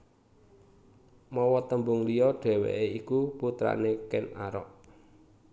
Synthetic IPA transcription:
mɔwɔt̪əmbʊŋlijɔɖ̥ɛ̤wḛʔeikuput̪ɾa̰nekɛna̰ɾɔ̰ʔ

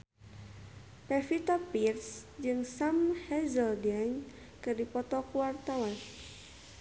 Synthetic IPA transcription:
pɛfit̪ɔpirsd͡ʒɨŋsamhɛzəldiaɲ | kɨrdipɔt̪ɔkuwart̪awan

